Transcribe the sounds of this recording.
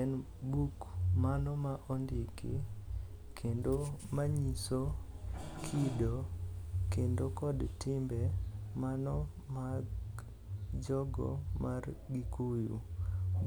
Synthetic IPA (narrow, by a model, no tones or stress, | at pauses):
ɛn | bukmanɔmaʔondikḭ | kʰendomaɲiso | kʰidokendokɔdtɪmbɛmanɔ | maɡ | d͡ʒɔɡɔ̰marɡikujṵ